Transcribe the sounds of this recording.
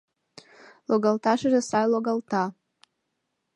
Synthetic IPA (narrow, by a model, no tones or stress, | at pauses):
loɡaltʰaʂaʒasajloɡaltʰa